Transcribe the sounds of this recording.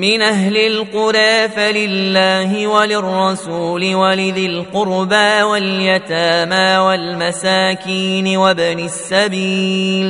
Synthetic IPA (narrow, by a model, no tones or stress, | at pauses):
mɪnʔaɦlɪlqʊɾaːfalɪlːaːɦɪwalɪrˤːɑsuːlɪwalɪðɪlqʊɾbawaljat̪aːmaːwalmasaːkiːnɪwabanɪsːabiːl